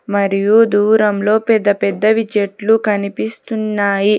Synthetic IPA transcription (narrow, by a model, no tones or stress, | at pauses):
mɐɾijud̪uːɾɐmlo̞ːpɛd̪ːɐpɛd̪ːɐʋid͡ʒeʈlukɐnipist̪unːaːji